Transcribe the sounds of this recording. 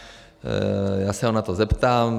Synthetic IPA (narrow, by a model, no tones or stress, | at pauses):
jaːsɛɦonat̪ozɛpt̪aːm